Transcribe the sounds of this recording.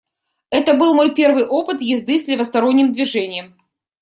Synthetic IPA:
ɛt̪əbɨlˠmo̞jpʲe̞rvɨjʔo̞pɨt̪jɪzd̪ɨsʲlʲɪvəst̪ɐɾo̞nʲːɪmd̪vʲɪʐɛnʲɪjəm

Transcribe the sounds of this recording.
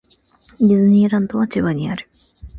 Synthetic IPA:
ɲʲizɨɲ̟iːɾãnd̪oβat͡ɕiβaɲ̟iaɾɯ̟

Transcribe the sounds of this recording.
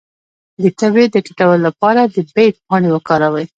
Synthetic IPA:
d̪ət̪abed̪əʈɪ̥ʈawəlːapɑɾad̪əbet̚pɑɽewəkɑɾawəj

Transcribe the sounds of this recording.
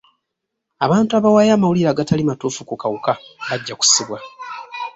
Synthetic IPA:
aβaːntuaβawajaːmawuliɾaːɡatalimatuːfukukawukaβaɟːaku̥siβwa

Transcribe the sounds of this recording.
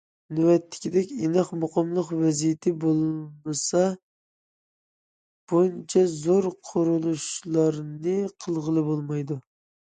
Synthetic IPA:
nywɛt̪ʰːɪ̥kʲid̪ɛkʲenɨχmoqəmlˠəqvɛzijɪt̪ʰɪbolˠmɨsɑ | b̥unt͡ʃʰɛzoɾqʰʊɾulˠuʃlˠɑɾnɨqʰəlˠʁəlˠɨbolˠmɑjd̪u

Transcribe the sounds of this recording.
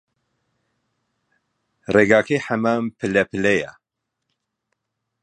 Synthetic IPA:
reɡaːkʰejħamaːmpʰɨlɛpʰɨlɛja̰

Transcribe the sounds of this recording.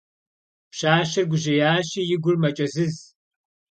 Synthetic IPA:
pɕaːʃɐrɡʷʊʑɪjaːɕijɪɡʷʊrmɐt͡ʃʼɐzɨz

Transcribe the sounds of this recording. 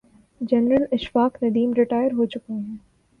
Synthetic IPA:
d͡ʒɛnɾəlɪʃfaːknɐd̪iːmɾɪʈaːɪəɾɦot͡ʃʊkeɦɛ̃ː

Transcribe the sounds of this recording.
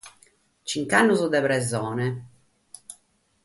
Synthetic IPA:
t͡ʃiŋkanːuzud̪ɛβɾɛzɔːnɛ

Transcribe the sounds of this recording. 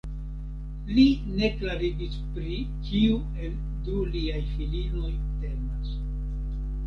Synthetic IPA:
line̞klaɾiɡispɾikiu | e̞l | duliajfilino̞jte̞mas

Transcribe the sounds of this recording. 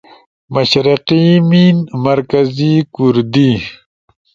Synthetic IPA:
mɐɕɾiqiminmɐɾkazikuɾd̪i

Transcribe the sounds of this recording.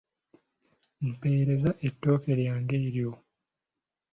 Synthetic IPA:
m̩pe̞ːɾe̞zaʔetːo̞ːke̞ɾjaːŋɡeiɾjo

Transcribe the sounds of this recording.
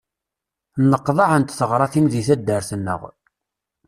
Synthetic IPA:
nəqːðˤɑʕənt̪θəʁɾˤɑθimðiθæd̪ːəɾθənːə̰ʁ

